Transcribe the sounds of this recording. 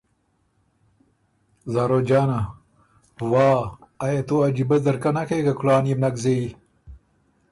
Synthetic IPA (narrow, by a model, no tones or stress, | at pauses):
zaːɾod͡ʒɑːna | wɑːjat̪uad͡ʒibɐd̪ɐɾkanakekakʊlaːnjimnɐkzei